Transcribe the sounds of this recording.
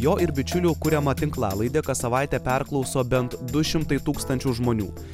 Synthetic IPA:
joːʔɪɾbʲɪt͡ʃʲʊlʲʊkʊɾʲɛmɐt̪ʲɪŋklˠɑːlˠɐɪd̪ʲeːkɐt̪sɐʋɑˑɪt̪ʲeːpʲɛɾklˠɒʊsoːbʲɛnt̪d̪ʊʃʲɪmt̪ɐɪt̪uːkst̪ɐnʲt͡ʃʲʊʒmoːnʲṵː

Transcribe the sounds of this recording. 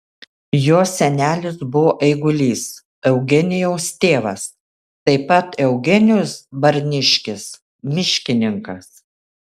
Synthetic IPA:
joːsʲɛnʲæːlʲɪsbʊʋoːʔɛɪɡʊlʲiːs | ɛʊɡʲɛnʲɪjɛʊst̪ʲeːʋɐs | t̪ɐɪpɐt̪ɛʊɡʲɛnʲjʊsbɐɾʲnʲɪʃʲkʲɪs | mʲɪʃʲkʲɪnʲɪŋkɐs

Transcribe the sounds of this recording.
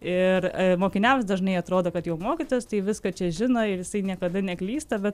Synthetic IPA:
ɪrmoːkʲɪnʲæːʋʲsd̪ɐʒnɐɪɐt̪ɾoːd̪oːkɐt̪jɛʊmoːkʲɪt̪oːjɛst̪ɐɪʋʲɪskɐt͡ʃʲɛʒʲɪnɐɪɾjɪsɐɪnʲiɛkɐd̪ɐnʲɛklʲiːst̪ɐbʲɛt̪

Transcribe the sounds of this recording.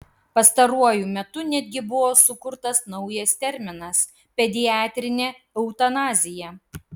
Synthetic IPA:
pɐst̪ɐɾuɔjʊmʲɛt̪ʊnʲɛd̪ʲɡʲɪbʊʋoːsʊkʊɾt̪ɐsnɐʊjɛst̪ʲɛɾʲmʲɪnɐs | pʲɛd̪ʲɪjɑːt̪ʲɾʲɪnʲeː | ɛʊt̪ɐnɑːzʲɪjɛ

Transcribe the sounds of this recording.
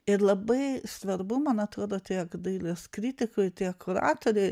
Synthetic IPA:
ɪɾlˠɐbɐɪsʋɐɾbʊmɐnɐt̪ɾoːd̪oːt̪ʲiɛkd̪ɐɪlʲeskɾʲit̪ʲɪkojt̪ʲiɛkʊɾɑ̰ːt̪oːɾʲɛɪ

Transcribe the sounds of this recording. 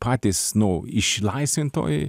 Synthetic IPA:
pʰɑːt̪ʲɪsnʊɪʃlˠɐɪsʲʋʲɪnt̪o̰ːj

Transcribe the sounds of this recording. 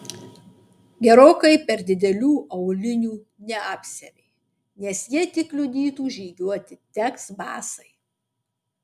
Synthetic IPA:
ɡʲɛɾoːkɐɪpʲɛɾd̪ʲɪd̪ʲɛlʲuːʔɐʊlʲɪnʲuː | nʲɛɑːpʲsʲɛ̰mʲɛɪ | nʲɛsjiɛt̪ʲɪklʲʊd̪ʲiːt̪uːʒʲiːɡʲuɔt̪ʲɪt̪ʲɛksbɑ̰ːsɐɪ

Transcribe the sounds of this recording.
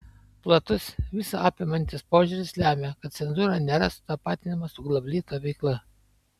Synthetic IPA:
plˠɐt̪ʊsʋʲɪsɐɑːpʲɪmɐnʲt̪ʲɪspoːʒʲʊɾʲɪslʲæːmʲekɐt̪̚sʲɛnzuːɾɑnʲeːɾɐsʊ̥t̪ɑːpɑːt̪ʲɪnʲɪmɐsʊɡlˠɐbʲlʲiːt̪oʋʲɛɪklˠɐ

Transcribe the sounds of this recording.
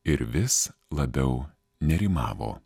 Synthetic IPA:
ɪɾʋʲɪslˠɐbʲɛʊ | nʲɛɾʲimɑːʋo̰ː

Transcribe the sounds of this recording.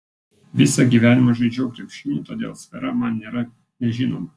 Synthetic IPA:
ʋʲɪsɐɡʲiːʋʲæːnʲɪmoʒɐɪd͡ʒʲɛːkɾʲɛpʲʃʲɪnʲuːt̪oːd̪ʲḛːlˠsʲfʲɛɾɐmɐnnʲeːɾɐ | nʲɛʒʲɪnoːmɐ

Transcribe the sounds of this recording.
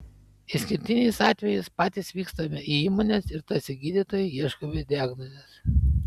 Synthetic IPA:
ɪsʲkʲɪɾʲt̪ʲɪnʲɛˑɪsɑːt̪ʲʋʲɛjɪspɑːt̪ʲɪsʋʲiːkst̪omʲɛʔiiːmoːnʲesɪɾt̪ɐsʲɪɡʲiːd̪ʲɪt̪oːjɛiɛʃkomʲed̪ʲɪæːɡnɔzʲes

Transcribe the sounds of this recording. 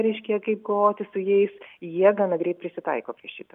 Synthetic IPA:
ɾʲɛɪʃʲkʲɛkɐɪp̚ɡoʋoːt̪ʲɪsʊjɛɪsjiɛɡɑːnɐɡɾʲɛɪt̪pʲɾʲɪsʲɪt̪ɐ̰ɪkoːpʲɾʲiɛʃʲiːt̪o

